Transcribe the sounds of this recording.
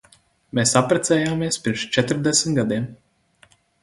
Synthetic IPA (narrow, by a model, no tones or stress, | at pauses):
meːsapɾet̪seːjaːmeːspimʃt͡ʃɛt̪ɾd̪ɛsʲɡad̪eːm